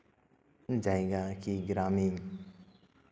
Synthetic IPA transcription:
d͡ʒajɡakiɡɾamiŋ

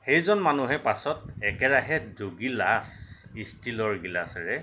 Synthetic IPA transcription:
xejzɔnmanuɦɛpasɔt̚ɛkɛɹaɦɛdoɡilas | istilɔɹɡilasɹɛ

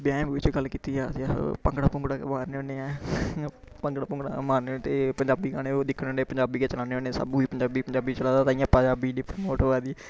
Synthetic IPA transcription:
bɪjãːbiːʋɪt͡ʃɡəlkiːt̪iːaːapəŋɡɽaːpʊ̃ŋɡɽaːkːmaːɾneõːneɛ̃ː | pəŋɡɽaːpʊ̃ŋɡɽa̰maːɾnet̪eːpəɲd͡ʒaːbiːkaːneːoːd̪ɪkʰːnoːneːpəɲd͡ʒaːbiːkeːt͡ʃəlãːneːõːnesa̰bũːiːpəɲd͡ʒaːbiːpəɲd͡ʒaːbiːt͡ʃəlaːd̪aːt̪ãĩjãːpəɲd͡ʒaːbiːniːpɾmoːʈəʋaːd̪iː

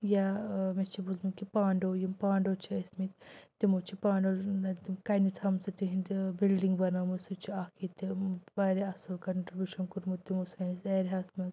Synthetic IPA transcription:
jamest͡ʃʰibuzmikipaːɳɖoːjimpaːɳɖot͡ʃʰiɐsmit̪t̪imot͡ʃʰipaːɳɖolt̪kɐnit̪ʰhɐmsɐt̪iɦind̪bilɖiŋɡbɐnɐmusut͡ʃʰiaːkʰit̪iʋɐɾiɐsɐlkɐɳʈɾibʲuʃɐnkuɾmut̪ːimusɐnisɐɾʲɦasmɐz

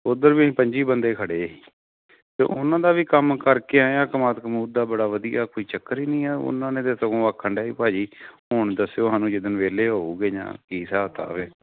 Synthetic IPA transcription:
ʊd̪əɾʋiːĩːpəɲd͡ʒiːbənd̪eːkʰəɽeːiː | t̪ḛːʔʊnãːd̪aːʋiːkəmkəɾkeːãjãːkəmaːt̪kəmuːd̪aːbəɽaːʋəd̪iːaːkoːiːt͡ʃəkːəɾiːnĩːɛːʊ̰nãːnẽːt̪eːsəɡõːaːkʰːəɳɖaːiːpaːd͡ʒiːɦoːɳd̪əsːejoːɦãːnũːd͡ʒɪd̪ənʋeːleːɦoːuːɡeːɲã̰ːkiːsaːt̪a̰ːʋeː

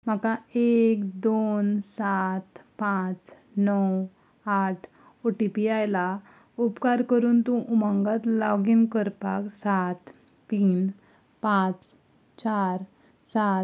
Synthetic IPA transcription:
m̤akaekd̪onsat̪pãt͡s | nɔw | aʈʰ | oʈipiajla | upkaɾkəɾuːnt̪ũʔuməŋɡat̪lɔɡinkəɾpa̰ksat̪ː | iːn | pãt͡s | t͡ɕaɾ | sa

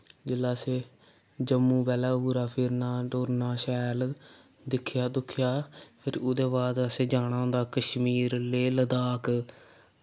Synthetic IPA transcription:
d͡ʒɪlːaːseː | d͡ʒəmːũːbɛːlaːbuːɾaːpʰɪɾnaːʈoːɾnaːʃɛːl | d̪ɪkʰːjaːd̪ʊkʰɪjaːpʰɪɾʊd̪eːbaːd̪əseːd͡ʒaːɽ̃ãːd̪aːkəʃmiːɾleːləd̪aːk

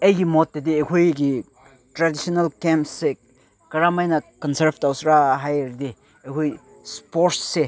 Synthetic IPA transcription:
ejɡimɔt̚ːediekʰojɡi | tɾadisɔnalkempse | kɐɾamajnakɔnseɾftawsɾaɦajɾde | ekʰoj | spoɾtse

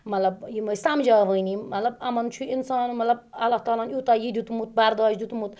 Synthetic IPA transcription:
mɐt̪lɐb̚jimɐsamd͡ʒaʋəjniːɐlɐbɐmɐnt͡ʃʰuinsɑːnumɐt̪lɐb̚ɐlːaht̪ɑːlaːnjut̪ajid̪ut̪umut̪̚bɐɾd̪ɑːd͡ʒd̪ut̪umut̪

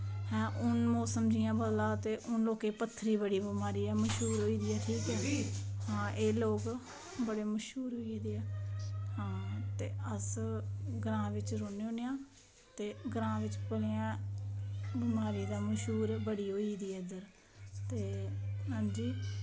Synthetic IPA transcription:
hɛ̃ːʔʊnmɔːsəmd͡ʒɪjãːbəd̪laːt̪eːʔʊnloːkeːpət̪ʰːɾiːbəɽiːbɪmaːɾiːɛːməʃɦuːɾɦoːiːd̪iːɛːʈʰiːkɛːhãːʔeːloːk | bəɽeːməʃuːɾɦoːid̪eːɛːhãːt̪eːəs | ɡɾãːʋɪt͡ʃɾoːneːoːneːãː | t̪eːɡɾãːʋɪt͡ʃpəleãː | bɪmaːɾiːd̪aːməʃuːɾbəɽiːɦoːiːd̪iːɛːd̪əɾ | t̪eːɦãːd͡ʒiː

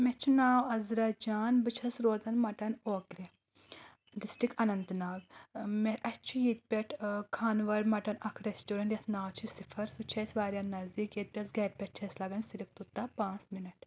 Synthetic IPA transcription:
mɛt͡ʃʰunaːwɐzɾad͡ʒaːnbɨt͡ʃʰɐsɾoːzɐnmɐʈɐnoːkɾʲe | ɖisʈikɐnɐnd̪naːɡmɛʔɐt͡ʃʰujiːt̪̚pʲɛʈʰkʰaːnʋɐɾmɐʈɐnɐkʰɾesʈoːɾɐɳʈjɐt̪ʰnaːwt͡ʃʰisifʰɐɾsut͡ʃʰɐsʋaːɾʲjannɐzd̪iːkjet̪̚pʲɐsɡɐɾpʲɛʈ̚t͡ʃʰɛslɐɡɐnsiɾift̪ut̪ːapãːt͡sminɐʈ

